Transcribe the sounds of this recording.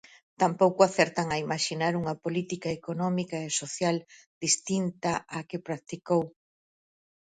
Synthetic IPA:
t̪ampowkʊaθɛɾt̪aŋɐimaʃinaɾuŋɐpolit̪ikaekonɔmikaesoθjald̪̥ist̪int̪aʔakɪpɾak̚t̪ikow

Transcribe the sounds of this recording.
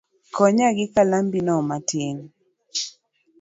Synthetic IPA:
kɔɲaɡɪkalambinɔmatɪn

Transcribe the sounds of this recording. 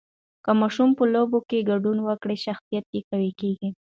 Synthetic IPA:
kəmɑʃumpəlobokeɡaɖunwəkɽeʃaxsijat̪̚jekawekeɡi

